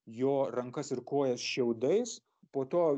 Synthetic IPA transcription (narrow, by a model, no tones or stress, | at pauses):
joːrɐŋkɐsɪrkoːjɛsʃʲɛʊd̪ɐɪs | poːt̪oː